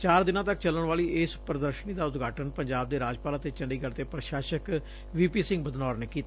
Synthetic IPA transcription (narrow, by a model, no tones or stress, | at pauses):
t͡ʃaːɾd̪ɪnãːt̪ək̚t͡ʃələɳ̃ʋaːliːʔɪːspɾəd̪əɾʃəniːd̪aːʊt̪ɡʱaːʈənpəɲd͡ʒaːb̚d̪eːɾaːd͡ʒpaːlət̪eːt͡ʃəɳɖiːɡəɽt̪eːpɾəʃaːʃək | ʋiːpiːsɪ̃ŋɡbəd̪naːɾneːkiːt̪a